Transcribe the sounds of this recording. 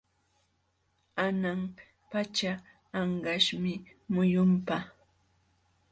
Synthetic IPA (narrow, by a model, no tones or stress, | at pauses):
anam | pat͡ʃaː | ɴɢɑʃmɪmʊjʊmpa